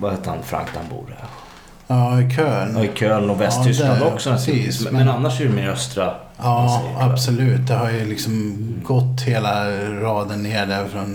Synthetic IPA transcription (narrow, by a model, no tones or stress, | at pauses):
vahɛːt̪əha̰nfɾa̰ŋkd̪a̰nbṵːɾə | jɑːɪkʰøːlɪkʰøːlnɔvɛst̪ʰʏskland̪ɔksɔnɛsiːsmɛnanːaʂɛɾɛmeɾœst̪ɾa | jɑːabsɔlʉ̟ːt̪̚d̪ɛɦaɾjəlɪksɔmɡɔt̪ːheːlaɾɑːd̪ənːeːɖæɾfɾɔn